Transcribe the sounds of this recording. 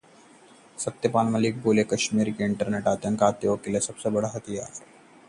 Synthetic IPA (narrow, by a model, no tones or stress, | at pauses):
sɐt̪jəpaːnmɐlik̚boːlekɐʃmiːɾkiɪɳʈəɾneʈaːt̪jə̃ŋkaːt̪ːeokilesɐbsebɐɽaɦɐt̪ija̰ː